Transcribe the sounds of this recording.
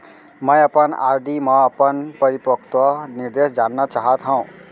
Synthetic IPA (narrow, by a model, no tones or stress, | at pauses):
mə̃jəpəna̰ɾd̪ʱimʌ̃ːpənpəɾipəkt̪wəniɾd̪esd͡ʒanːʌt͡ʃaɦət̪ɦʌ̃ũ